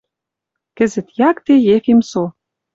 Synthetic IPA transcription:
kɘ̆zɘ̆t̪jɑkt̪ejekemso

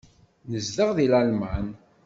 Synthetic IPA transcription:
nəzðəʁðilælman

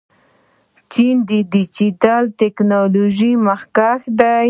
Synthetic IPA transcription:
t͡ʃind̪əd̪id͡ʒit̪alt̪eknoloʒiməxkaxd̪aj

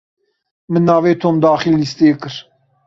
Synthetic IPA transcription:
mɨnːɑːveːt̪ʰoːmd̪ɑːxilːist̪eːkɨɾ

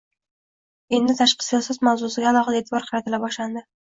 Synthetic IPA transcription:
e̞nd̪ɪt̪ʰaʃqʰɨ̥sɒsɒzmawzʊsɪɡʲaːlˠɒχɑd̪aet̪ʰɪbɒɾqʰɑɾɪt̪ʰɪlabɒʃland̪ɪ

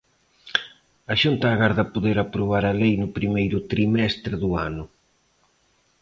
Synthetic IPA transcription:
ɐʃunt̪aːɣaɾðɐpoðeɾapɾoβ̞aɾɐlejnʊpɾimejɾʊt̪ɾimɛst̪ɾɪðʊa̰nʊ

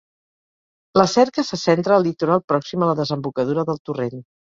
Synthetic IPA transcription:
ləsɛɾkəsəsɛnt̪ɾəːlˠːit̪uɾalˠpɾɔksimələðəzəmbukəð̞uɾəðəlˠt̪uren

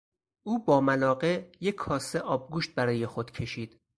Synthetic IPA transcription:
ʔuːbɒːmælɒːɢejekʰːɒːseʔɒːb̚ɡuːʃt̪̚bæɾɒːjexod̪̥cʰe̞ʃiːd̪̥

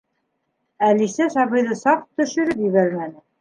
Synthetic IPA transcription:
ælisæsɑβɤ̆jðɤsɑq̚t̪ɵ̆ʃɵ̆ɾɘpjɘ̆βæɾmænɘ

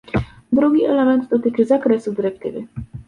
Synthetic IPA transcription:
d̪ɾuɡʲiɛlɛmɛnd̪d̪ɔt̪ɘt͡ʂɘzakɾɛsud̪ɘɾɛk̚t̪ɘ̰vɘ̰

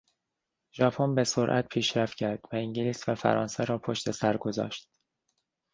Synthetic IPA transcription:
ʒɒːpʰonbe̞soɾʔæ̰t̪̚pʰiːʃɾæft̪cʰæɾd̪̥væiŋɟiliːsvæfæ̰ɾɒ̰ːnseɾɒːpʰoʃt̪e̞sæɾɡo̞zɒ̰ːʃt̪̚

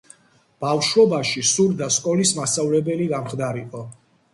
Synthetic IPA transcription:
b̥afʃwɔbaʃisuɾd̪askʼɔlismasavlɛbɛliɡamχd̪aɾiqʼɔ

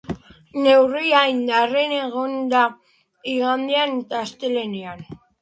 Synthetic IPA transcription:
ne̞wriajnd̪are̞ne̞ɣond̪a | iɣand̪ianet̪aːst̪e̞le̞nian

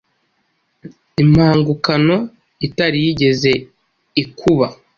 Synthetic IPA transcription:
im̥haːŋɡukano̞ | itaɾijiɟe̞ze̞ | ikʰuβa

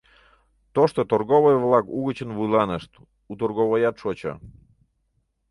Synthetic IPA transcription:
t̪oʃt̪ot̪orɣoβojβlˠɑkuɣət͡ɕənβujlɑnəʃt̪ | ut̪orɣoβojɑt̪ʃot͡ɕə̰

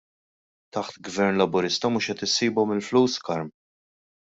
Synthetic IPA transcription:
t̪ɐħt̪ɡvɛɾnlɐbʊɾɪst̪ɐmʊʃɛt̪ɪsːiːbɔmɪlfluːskɐɾm

